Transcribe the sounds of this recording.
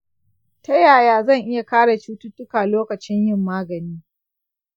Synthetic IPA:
tɐ˦jaː˨jaː˦zɐ˦˨ŋʔɪ˦ja˨kaː˦ɽa˨t͡ʃuː˦tʊ˦tʊ˦kaː˨loː˦kɐ˨t͡ʃɪ˦ɲjɪ˦˨mːaː˦ɡɐ˨niː˦

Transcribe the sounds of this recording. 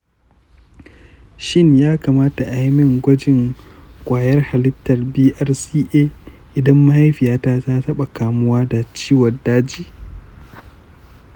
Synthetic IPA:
ʃɪ˦ɲjaː˦kaː˨maː˦ta˨ʔa˨jmɪ˦ŋɡʷɐ˦d͡ʒɪ˨ŋkʷʼaː˨jɐ˦rha˨lɪ˦tːɐ˨rbiː˦ʔɐ˦rsiː˦ʔeː˦ʔɪ˨dɐ˦mːa˦ha˦jɸɪ˨jaː˦ta˦ta˦tɐ˦ɓa˨kaː˨mʊ˦waː˦da˨t͡ʃiː˦wɐ˨daː˦d͡ʒiː˦

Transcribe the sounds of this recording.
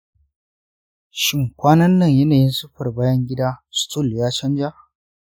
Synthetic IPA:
ʃɪ˦ŋkʷaː˦nɐ˦nːɐ˦˨ɲjɐ˦naː˨jɪ˦nsʊ˦ɸɐ˨rbaː˦jɐ˦ŋɡʲɪ˦da˦stʰʊ˦ljaː˦t͡ʃɐ˦nd͡ʒa˦

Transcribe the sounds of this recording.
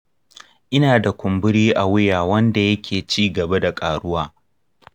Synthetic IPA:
ʔɪ˦naː˨da˨kʷʊ˨mbʊ˦ɽiː˦ʔa˨wʊ˦jaː˨wɐ˦nda˨jɐ˦kʲʰeː˨t͡ʃiː˦ɡɐ˨ba˦da˨kʼaː˨ɽʊ˦waː˦

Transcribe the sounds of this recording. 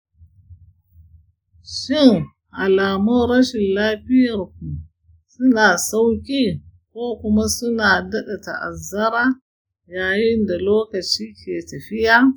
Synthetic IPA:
ʃɪ˦n | ʔa˨laː˨mʊ˦ɾɐ˦ʃɪ˨nlaː˦ɸɪ˦jɐ˨ɾk̚u˨ | sʊ˦naː˨sa˦wkʲʼi˦koː˦kʊ˦ma˦sʊ˦naː˨dɐ˦ɗa˨ta̰˨ʔa̰˨zɐ˦ɾa˦ | jaː˨jɪ˦nda˨loː˦kɐ˨t͡ʃiː˦kʲʰeː˨tɐ˨ɸɪ˦ja˦

